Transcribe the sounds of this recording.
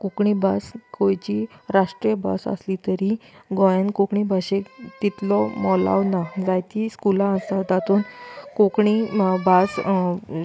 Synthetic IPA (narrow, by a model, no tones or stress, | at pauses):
kokɳibaskʰojt͡ɕiɾaʂʈɾijəbʱa̰sə̰slit̪əɾiɡɔjãnkokɳibʱaɕekt̪it̪lɔmɔla̰wnad͡zajt̪iskulãəsad̪at̪uːnkokɳibʱas